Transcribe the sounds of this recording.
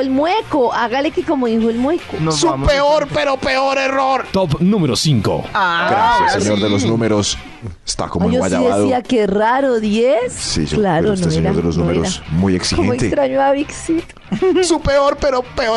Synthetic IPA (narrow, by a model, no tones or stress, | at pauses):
elmwekoʔaɣalekekomoðixoelmwekonsupeoɾpeɾopeoɾeroɾt̪opnũmeɾosiŋko̰aɡɾɾasjaseɲoɾðeloznumeɾos | e̥st̪a̰komojoasʎaðesðiakeraɾoðjessḭoklaɾosnoeeɲɾaoɾðelosnumeɾoɾasmujeksixkoenoekt̪est̪ɾaɲoaβiksit̪ | supeoɾpeɾopeo